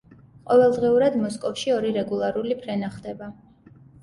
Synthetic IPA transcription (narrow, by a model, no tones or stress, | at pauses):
qʼɔvɛlˠd̪ʁiuɾad̪mɔskʼɔfʃiɔɾiɾɛɡulˠaɾulipʰɾɛnaχd̪ɛba